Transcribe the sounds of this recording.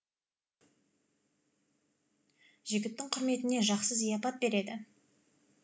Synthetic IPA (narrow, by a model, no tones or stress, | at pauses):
ʒɪɡʲɪt̪ːɪŋqʰʊɾme̞t̪ɪne̞ʒɑqsəzijɑpɑt̪̚be̞ɾe̞d̪ɪ